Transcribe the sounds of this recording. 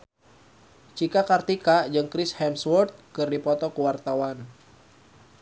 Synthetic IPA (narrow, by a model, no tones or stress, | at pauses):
t͡ʃikakart̪ikad͡ʒɨŋkɾishɛmswɔrt̪̚kɨrdipɔt̪ɔkuwart̪awan